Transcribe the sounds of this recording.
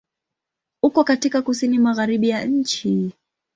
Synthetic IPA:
hukɔkatikakusinimaɣaɾiɓijaɲ̩t͡ʃi

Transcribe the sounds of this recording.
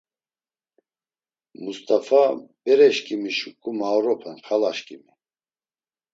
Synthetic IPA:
must̪ʼafabɛɾɛʃkʼimiʃukʼumawɾɔpʰɛnχalaʃkʼimi

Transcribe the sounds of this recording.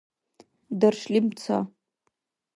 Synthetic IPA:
darʂlimt͡sʰa̰

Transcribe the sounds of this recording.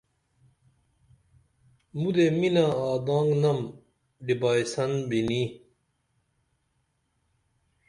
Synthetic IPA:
mud̪eminaaːd̪ãːŋɡnɐm | ɖibaːisɐnbini

